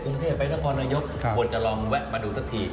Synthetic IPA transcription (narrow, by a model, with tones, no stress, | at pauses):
kɾu˧ŋt̪ʰeː˥˩pːa˧jna˦˥kʰɔː˧naː˧jo˦˥k̚u˨˩ət̪̚t͡ɕa˨˩lɔː˧ŋwɛ˦˥t̚maː˧duː˧sʰa˦˥k̚t̪ʰiː˧˩